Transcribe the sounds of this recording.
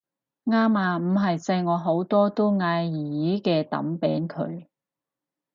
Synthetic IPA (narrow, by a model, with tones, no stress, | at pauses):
ŋaː˥maː˧m̩˨˩ɦɐ˨jsɐ˧jŋɔː˨˧ɦo˨˥wt̪ɔː˥t̪o˥wŋaː˧jiː˨jiː˨˥kɛː˧t̪ɐ̰˨˥mpɛː˨˥nkʰɵ̰˨˧ɥ